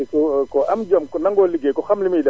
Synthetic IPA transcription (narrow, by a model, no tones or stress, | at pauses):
kɔkɔamd͡ʒamkɔnaŋɡɔliɡɛkɔxamlimida